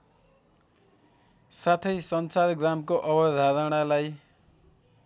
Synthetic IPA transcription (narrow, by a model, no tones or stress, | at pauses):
sat̪ʰʌjsʌnsaɾɡramkoʔʌbʌd̪ʱaɾʌɽ̃alaj